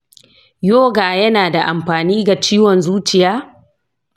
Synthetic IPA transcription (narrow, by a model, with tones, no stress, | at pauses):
joː˦ɡaː˨jɐ˦naː˨da˨ʔa˨mɸaː˨niː˦ɡa˨t͡ʃiː˦wɔ˨nzuː˦t͡ʃɪ˨jaː˦